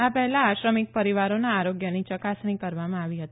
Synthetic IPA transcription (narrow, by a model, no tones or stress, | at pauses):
apɛɦɛlaaʃɾəmik̚pəɾiʋaɾonaːɾoɡjənit͡ʃəkasɳ̃ikəɾʋamãaʋiɦət̪i